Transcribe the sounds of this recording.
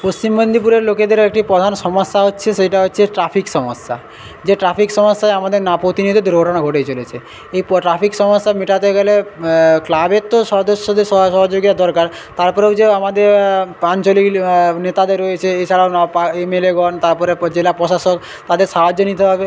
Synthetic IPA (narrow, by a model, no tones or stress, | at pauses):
post͡ɕimbond̪ʱipuɾeɾloked̪ʱeɾek̚ʈipɾod̪ʱanʃɔmosːaɦotːɕʰeʃejʈaɦotːɕʰeʈɾapʰikʃɔmosːa̰ | d͡ʑeʈɾapʰikʃɔmosːaeamad̪eɾnapɾot̪inid̪ʱit̪ɾoʈanaɡʱoʈet͡ɕolet͡ɕʰe | ejpɾapʰikʃɔmosːamiʈat̪eɡɛleklabet̪ːoʃɔɾd̪oʃːod̪eɾʃɔʃɔɦod͡ʑoɡit̪ad̪ɔɾkaɾ | t̪aɾpɔɾewd͡ʑeamad̪eɾant͡ɕoliknet̪ad̪eɾːoet͡ɕʰeet͡ɕʰaɽaonɔpaemeleɡɔnt̪aɾpɔɾed͡ʑelapɾɔʃaʃok | t̪ad̪eɾʃaɦad͡ʑːonit̪eɦɔbe